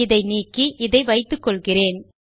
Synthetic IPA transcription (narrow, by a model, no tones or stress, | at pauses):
ɪðɐɪniːkːiʔɪðɐɪʋɐɪt̪ːɯkːɔɭɣɪreːn